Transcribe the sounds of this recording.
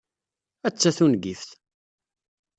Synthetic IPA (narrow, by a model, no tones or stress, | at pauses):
æt͡sːæθunɡifθ